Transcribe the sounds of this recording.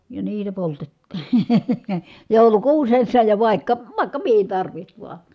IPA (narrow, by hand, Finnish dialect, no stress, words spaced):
jɑ niːtæ poltetːi̥ joˑu̞lukuːsesːɑ jɑ ʋɑˑi̯kːɑ ʋɑˑikːɑ mihin tɑrʋiht ʋuɑ